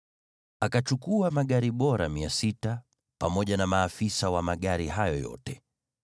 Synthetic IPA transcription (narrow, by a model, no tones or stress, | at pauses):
akat͡ʃukuamaɠaɾiɓɔɾa̰miasita | pamɔʄanamaːfisawamaɠaɾiɦajɔjɔ̰tɛ